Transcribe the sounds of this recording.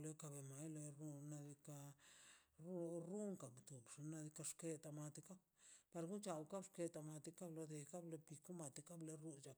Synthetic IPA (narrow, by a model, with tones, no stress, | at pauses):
le˧ka˧be˨ma˨jlo˧ɾu˦˧na˧d̪i˧ka˧ | ɾɾu˦ŋka˨kt̪u˨bʂi˧na˧d̪i˧ka˧ʂke˧t̪a˧ma˧t̪i˧ka˦b | pa˧ɾɡu˦t͡ʃa˧wka˦bʂke˧t̪a˧ma˧t̪i˧ka˦blo˧d̪e˧ka˦ble˧pi˧ku˦ma˨t̪i˧ka˦ble˧ɾu˦t͡ʃa˨k